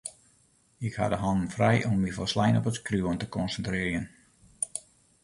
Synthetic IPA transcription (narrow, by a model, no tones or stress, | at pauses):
ɪkha̰dəɦɑnən̩frɛjʔɔmʋifɔlˠslɛjnɔpətkruwəntəkɔnsəntrɪːrjən